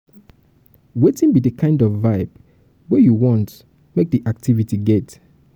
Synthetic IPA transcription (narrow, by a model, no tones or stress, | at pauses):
wetĩnbidəkʰãɪ̃ndɔfːaɪb | wɛjuwɔ̃nt | mek̚diʔaktʰivitiɡɛt